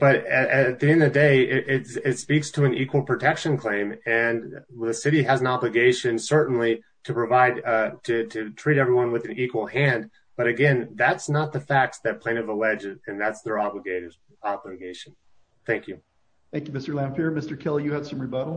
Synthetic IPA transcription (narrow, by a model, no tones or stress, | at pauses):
b̥ʌɾɨt̪̚ðiɨ̃nðɨdeɪɪʔɪtɪtspikstʰəɨ̃nikwl̩ˠpʰɹ̥ɨtʰɛkʃɨ̃nkʰl̥ẽɪ̃mɨ̃nðɨsɪɾiɨz̃n̩ɑblɨɡeɪʃɨ̃nsɜ˞ʔn̩li | ɾʰɨpɹ̥ɨvaɪd̚tʰɨɾʰɨtʰɹ̥iɾɛvɹiwʌ̃nwɨðɨ̃n̩ikwl̩ˠhæ̃n | b̥ʌɾɨɡɛ̃nðætsnət̪̚ðəfæk̚sðɨt̚pʰl̥ẽɪ̃nʌvəlɛd͡ʒɨɨ̃nðætsðə˞ɑbləɡeɪɾə˞ | ɑbləɡeɪʃn̩ | θæ̃ŋkjʉ | θæ̃ŋkjʉmɪstə˞læ̃mfɪɹmɪstə˞kʰɪlˠjɨɨd̥sʌ̃mɹibʌɾl̩ˠ